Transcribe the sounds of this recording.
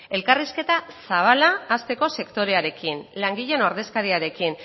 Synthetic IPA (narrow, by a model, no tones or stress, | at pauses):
e̞lkariske̞t̪asaβ̞alaːst̪e̞ko̞se̞kt̪o̞ɾe̞aɾe̞kinlaŋɡiʎe̞noɾð̞e̞skaɾiaɾe̞kin